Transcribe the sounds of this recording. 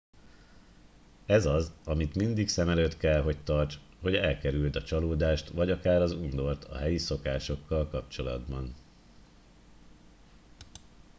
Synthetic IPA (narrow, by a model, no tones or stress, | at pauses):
ɛzɒzɒmit̪mind̪iksɛmɛløːt̪kɛlɦo̞c̚t̪ɒrt͡ʃ | ho̞ɟɛlkɛɾylt̪ɒt͡ʃɒloːd̪aːʃt̪ʋɒɟɒkaːɾɒzund̪o̞rt̪ʰɒ̰ɦɛjiso̞kaːʃo̞kːɒlkɒpt͡ʃo̞lɒ̰d̪bɒn